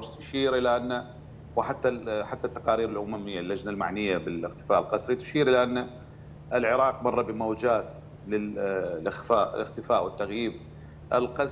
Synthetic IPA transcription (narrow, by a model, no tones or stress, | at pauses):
ʊɾst̪ʊ̥ʃiːɾʔɪlaʔanːa | wɪħat̪ːaħat̪ːat̪ːḁqɑːɾiːɾɪlʔʊmamɪjːalːad͡ʒnalma̰ʕnɪjːabɪlɪɣt̪ɪ̥faːʔɪlqɑsˤɾit̪ʊ̥ʃiːɾʔɪlaʔanːa | ʔɪlʕɪɾˤɑːq̚mɑrˤːɑbɪmawd͡ʒaːt̪ | lɪlʔɪxfaːʔlʔɪxt̪ɪfaːʔwɪt̪ːaɣjiːb̚ | ʔɪ̰lqɑs